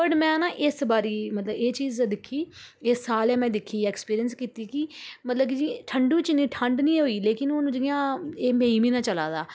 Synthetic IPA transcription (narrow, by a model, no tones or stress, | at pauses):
əɖmɛ̃ːnãːʔɪsbaːɾiːmət̪ləbeːt͡ʃiːzd̪ɪkʰːiːɪsːaːlɛːmɛ̃ːd̪ɪkʰːiːɛːkspiːɾijənskiːt̪iːkɪmət̪ləbd͡ʒiːʈʰəɳɖũːt͡ʃɪnĩːʈʰəɳɖnĩːɦoːiːleːkɪnʊñːd͡ʒɪjãːeːmẽːiːmĩːnãːt͡ʃəla̰ːd̪aː